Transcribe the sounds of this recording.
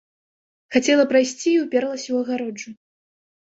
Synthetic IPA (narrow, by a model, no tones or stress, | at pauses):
xat͡sʲɛlˠɐpɾajsʲt͡sʲiːwpʲɛɾlˠɐsʲɛwɐɣaɾɔd͡ʐu